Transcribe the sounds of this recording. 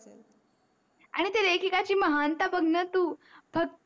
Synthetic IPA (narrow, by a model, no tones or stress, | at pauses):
a̰ɽ̃it̪ed̪ekʰikat͡ɕiːməɦant̪abʱəɡnət̪uːbʱəɡ̚